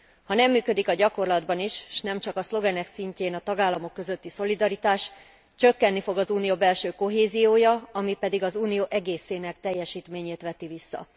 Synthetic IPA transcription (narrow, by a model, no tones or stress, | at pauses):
hɒnɛmːyːkø̞d̪ikɒɟɒko̞rlɒd̪bɒniʃʃnɛmt͡ʃɒkɒslo̞vɛnɛksiɲceːnɒt̪ɒɡaːlːɒmo̞kːø̞zøt̪ːiso̞lid̪ɒɾit̪aːʃ | t͡ʃø̞kːɛnːifo̞ɡɒzuːnijoːbɛlʃøːko̞ɦeːzijoːjɒɒmipɛd̪iɡɒzuːnijoːʔɛɡeːseːnɛkt̪ɛjːɛʃiːt̪meːɲeːt̪ʋɛt̪ivisːɒ̰